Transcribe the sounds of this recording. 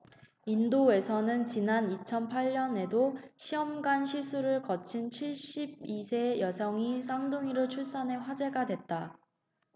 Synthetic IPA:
indoe̞sʰʌnɯnt͡ɕinanit͡ɕʰʌnpʰaʎːʌne̞doɕʰiʌmɡanɕʰisʰuɾɯɭkʌt͡ɕʰint͡ɕʰiɭɕ͈ib̚isʰe̞jʌsʰʌŋisʰaŋduŋiɾɯɭt͡ɕʰuɭs͈ʌne̞ɸwad͡ʑe̞ɡadwe̞t̚t͈a

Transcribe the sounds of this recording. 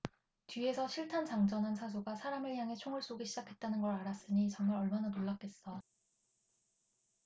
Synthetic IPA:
tɥie̞sʰʌɕʰiɭtʰant͡ɕaŋd͡ʑʌnɦansʰasʰuɡasʰaɾamɯɭjaŋe̞t͡ɕʰoŋɯɭs͈oɡiɕʰid͡ʑakʰe̞t̚t͈anɯnɡʌɾaɾas͈ɯɲit͡ɕʌŋmaɾʌɭmananoɭːak͈̚e̞s͈ʌ

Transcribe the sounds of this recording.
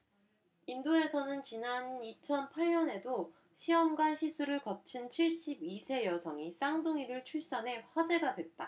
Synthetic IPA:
indoe̞sʰʌnɯnt͡ɕinanit͡ɕʰʌnpʰaɭɲʌne̞do | ɕʰiʌmɡanɕʰisʰuɾɯɭkʌt͡ɕʰint͡ɕʰiɭɕ͈ibisʰe̞jʌsʰʌŋis͈aŋdoŋiɾɯɭt͡ɕʰuɭs͈anɦe̞ɸwad͡ʑe̞ɡadwe̞t̚t͈a

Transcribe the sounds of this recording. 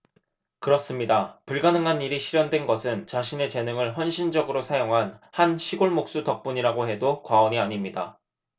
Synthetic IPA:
kɯɾʌs͈ɯmɲidapuɭɡanɯŋɦaniɾiɕʰiɾjʌndwe̞nɡʌsʰɯnt͡ɕaɕʰine̞t͡ɕe̞nɯŋɯɭçjʌnɕʰind͡ʑʌɡɯɾosʰajoŋɦanhanɕʰiɡoɭmok̚s͈utʌk̚p͈uɲiɾaɡoɦe̞dokwaʌɲiaɲimɲida̰

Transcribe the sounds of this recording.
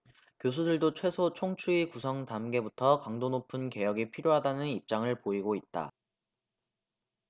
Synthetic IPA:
kjos̬ʰudɯɭdot͡ɕʰwe̞sʰot͡ɕʰoŋt͡ɕʰuikusʰʌŋtamɡe̞butʰʌkaŋdonopʰunke̞jʌɡipʰiɾjoɦadanɯnip̚t͡ɕ͈aŋɯɭpoiɡoit̚t͈a̰

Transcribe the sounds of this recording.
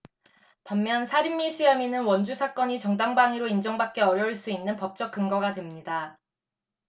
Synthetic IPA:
pamːjʌnsʰaɾimːiɕʰiaminɯnwʌnd͡ʑusʰak͈ʌɲit͡ɕʌŋdaŋbaŋiɾoind͡ʑʌŋbak̚k͈e̞ʌɾjʌɭs͈uinːɯnpʌp̚t͡ɕ͈ʌk̚k͈ɯŋɡʌɡadwemɲida

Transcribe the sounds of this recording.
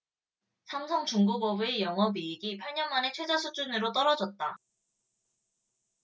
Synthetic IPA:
sʰamsʰʌŋt͡ɕuŋɡubʌbue̞jʌŋʌbiːɡipʰaɭɲʌnmane̞t͡ɕʰwe̞d͡ʑasʰud͡ʑunɯɾot͈ʌɾʌd͡ʑʌt̚t͈a

